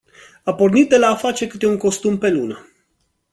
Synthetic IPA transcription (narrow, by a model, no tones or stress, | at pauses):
apo̞rnit̪̚d̪e̞laːfat͡ʃe̞kɨt̪e̞uŋko̞st̪umpe̞lunə